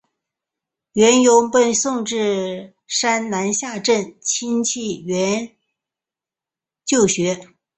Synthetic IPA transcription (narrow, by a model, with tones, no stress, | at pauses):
ɥɛ˧˥njʊ˧˥ʊpə˥˧nsʊ˥˧ŋʈ͡ʂɻ̩˥˩ | ʂa˥nna˧˥nɕja˥˧ʈ͡ʂə˥˩nt͡ɕʰi˥nt͡ɕʰi˥˩ɥɛ˧˥n | t͡ɕjo˥˩ʊɕɥɛ˧˥